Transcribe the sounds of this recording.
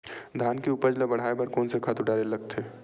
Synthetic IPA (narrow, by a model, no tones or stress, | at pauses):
d̪ʱaːnkeupəd͡ʒlabɐɽ̤aːebɐɾkɔːnsekʰat̪uɖaːɾelɐɡ̚t̪ʰeː